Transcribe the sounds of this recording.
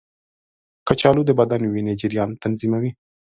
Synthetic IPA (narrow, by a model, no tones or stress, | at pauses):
kat͡ʃɑlud̪əbad̪anwined͡ʒiɾijɑnt̪anzimawi